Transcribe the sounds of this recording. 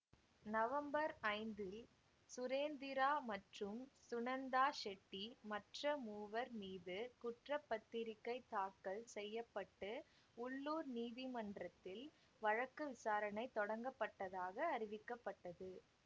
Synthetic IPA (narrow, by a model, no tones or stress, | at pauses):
nɐʋɐmbɐɾɐɪnd̪ɪl | sʊɾeːnd̪ɪɾaːmɐʈrɯmsʊnɐnd̪aːʃɛʈːimɐʈrɐmuːʋɐɾmiːðɯkʊʈrɐpːɐt̪ːɪɾɪkːɐɪt̪aːkːɐɭsɛjːɐpːɐʈːɯ | ʊɭːuːɾniːðɪmɐndrɐt̪ːɪl | ʋɐɻɐkːɯʋɪsaːɾɐnɐɪt̪ːɔɽɐŋɡɐpːɐʈːɐðaːɣɐːɾɪʋɪkːɐpːɐʈːɐðɯ